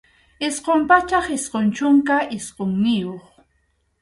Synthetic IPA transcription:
ɪsqompat͡ʃaχɪsqont͡ʃʊŋkaʔɪsqoŋnɪjoχ

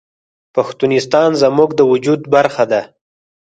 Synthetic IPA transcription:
paxt̪unɪst̪ɑnzamuɡd̪əwʊd͡ʒud̪baɾxad̪a

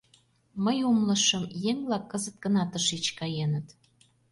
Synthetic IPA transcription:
məjumlə̆ʃəmjeŋblɑkːəzət̪̚kə̆nɑt̪əʃit͡ɕkɑjenət̪

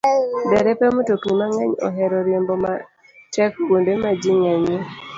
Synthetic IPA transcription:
dɛɾɛpɛmototumaŋaɲo̰ɦɛɾɔɾjemboma̰ | t͡ʃɛkkundemad͡ʒiŋaɲe

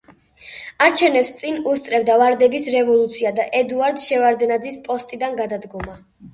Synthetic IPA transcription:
aɾt͡ʃʰɛvnɛpst̪sʼinust̪ʼɾɛvd̪avaɾd̪ɛbisɾɛvɔlˠut̪sʰiad̪aʔɛd̪uaɾd̪ʃɛvaɾd̪ɛnad̪zispʼɔst̪ʼid̪anɡad̪ad̪ɡɔma

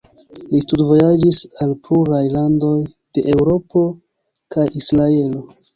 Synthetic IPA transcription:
listudvo̞jad͡ʒisalpuɾajlando̞j | d̥e̞ʔe̞wɾo̞po̞ | kajisɾae̞lo̞

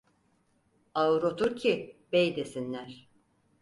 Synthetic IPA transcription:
aɾot̪ʰuɾcʰibejd̪e̞sinlʲæɾ̥

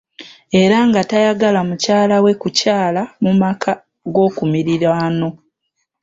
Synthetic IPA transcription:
e̞ɾaŋɡatajaɡalamucaːlawe̞kucaːlamumakʰa | ɡo̞ːkumiɾiɾano̞

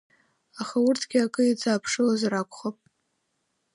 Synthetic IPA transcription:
aχaʊrtʰɡʲiakʼɨit͡sʰʼaːpʰʂɨlazrakʷʰʼχapʼ

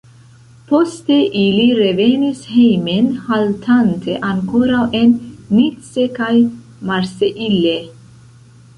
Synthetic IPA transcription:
post̪eʔiliɾevenishejmenhalt̪ʰant̪ʰeʔaŋkoɾawʔenːitsekaj | maɾseʔilːe

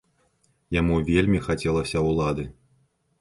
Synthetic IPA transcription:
jamuvʲelʲmʲixat͡sʲɛlˠɐsʲɐwlˠad̪ɨ

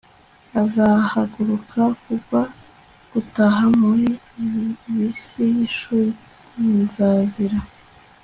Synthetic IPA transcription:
azahaɡuɾukʰakuβa | ɡ̥utaɦamuɾi | βisijiʃuːɾi | nzaːziɾa

